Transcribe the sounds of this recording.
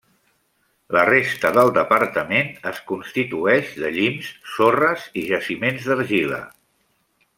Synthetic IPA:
lərest̪əðəlˠd̪əpəɾt̪əmenəskunst̪it̪uɛʒðəʎimsːorəziʒəsimenzd̪əɾʒilə̰

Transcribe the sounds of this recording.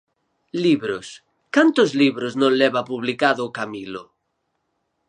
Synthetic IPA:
liβɾos | kant̪ozliβɾoznõnleβapuβlikaðoːkamilo

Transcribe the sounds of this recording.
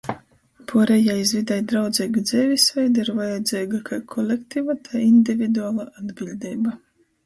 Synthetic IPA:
pʰuɔɾɛjajsvid̪ɛjd̪ɾawd̪ziːɡad̪zʲɛːvʲisvɛjd̪iɾvajad̪ziːɡakʰakʰɔlʲekt̪ivat̪ʰajind̪ʲivʲid̪uaːlˠaʔad̪bʲilʲd̪ʲiːba

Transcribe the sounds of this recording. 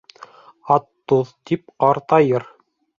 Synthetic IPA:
ɑt̪ːoðt̪ip̚qɑɾt̪ɑjɤɾ

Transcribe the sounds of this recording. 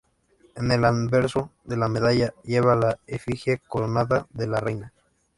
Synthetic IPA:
ene̞lanbeɾsoðe̞lameðaʝaje̞βalaefixjekolonaðaðelarejna

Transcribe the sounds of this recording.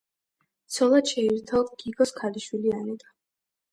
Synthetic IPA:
t̪sʰɔlˠad̪ʃɛiɾt̪ʰaɔd̪ɡiɡɔskʰaliʃwilianɛd̪a

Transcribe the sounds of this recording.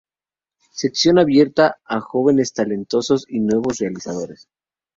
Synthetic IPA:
se̞ksjo̞naβje̞ɾt̪aaxo̞βe̞ne̞st̪ale̞nt̪o̞so̞sinwe̞β̞o̞srealisaðo̞ɾe̞s

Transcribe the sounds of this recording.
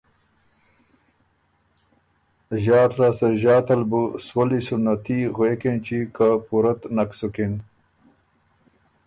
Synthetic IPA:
ʑaːt̪ɾaːsɐʑaːt̪ɐlbuswɐlisunɐt̪iɣwekent͡ɕikapuɾɐt̪naksukin

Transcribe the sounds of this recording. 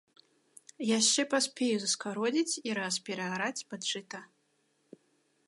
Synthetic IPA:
jaʂt͡ʂɛpasʲpʲejuzɐskaɾɔd͡zʲit͡sʲiɾɐspʲɛɾɐaɾat͡sʲpat͡ʂɨt̪ɐ

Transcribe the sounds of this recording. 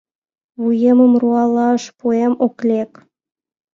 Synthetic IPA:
βujemə̆mruɑlˠɑə̆ʃpuemoklʲek

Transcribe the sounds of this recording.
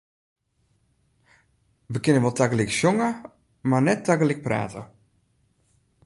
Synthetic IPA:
ʋəkɪnəʋɔlˠtʰakəliksjoŋə | marnɛtːakəlik̚pra̰ːtʰə

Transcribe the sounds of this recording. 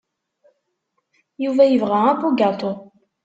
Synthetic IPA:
juvæjəvʁææpuɡɑt̪ˤo

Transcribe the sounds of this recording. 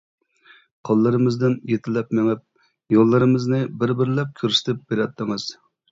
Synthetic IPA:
qʰɑlˠːɨɾɨmɨzd̪ɪnjet̪ʰɪlɛpmɪŋɪp̚ | jolˠːɨɾɨmɨznɨbɪɾbɪɾlɛp̚kʲʰøɾsɪ̥t̪ʰɪp̚b̥eɾɛt̪ʰːɨŋɨz̥

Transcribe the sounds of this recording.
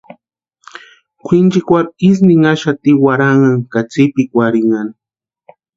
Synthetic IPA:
kʷʰint͡ʃikʷaɾis̬niŋaʃat̪iwaɾaŋaŋkat͡sipikwaɾiŋan

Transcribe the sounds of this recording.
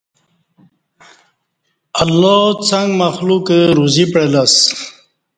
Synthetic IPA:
alːɔt͡saŋɡmaxlukəɾuzipɾelas

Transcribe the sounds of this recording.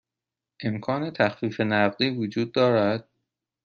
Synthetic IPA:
ʔe̞mkʰɒːne̞t̪ʰæxfiːfe̞næʁd̪iːvod͡ʒuːd̪̚ːɒːɾæd̪̥̚

